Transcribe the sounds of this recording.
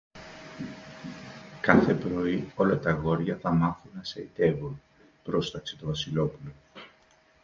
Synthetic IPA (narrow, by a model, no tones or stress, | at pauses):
kɐθe̞pɾo̞io̞lɐt̪ɐɣo̞ɾʝɐθɐmɐθunɐsɐit̪e̞vun | pɾo̞st̪ɐkset̪ovɐsilo̞pulo̞